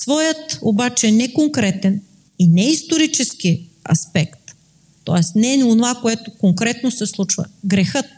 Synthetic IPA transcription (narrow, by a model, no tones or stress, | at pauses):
svɔjət̪obat͡ʃɛnɛkoŋkɾɛt̪ɛn | inɛist̪oɾit͡ʃɛsk̟iɐ̰spɛkt̪ː | ɔ̰ɛst̪nɛnionovakoɛt̪okoŋkɾɛt̪nosɛslˠut͡ʃvə̰ɡɾɛxɤt̪̚